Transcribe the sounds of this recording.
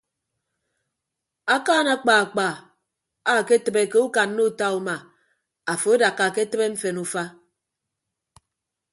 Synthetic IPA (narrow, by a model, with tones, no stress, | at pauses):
a˦kaː˦na˦k͡pa˨a˨k͡pa˨ | a˦˨ke˦tə˨be˨ke˦u˦ka˨nːo˦u˦˨ta˦u˦ma˨ | a˨fo˨e˦da˨kːa˨ke˦tɨ˦be˦m̩˦fe˨nu˦fa˦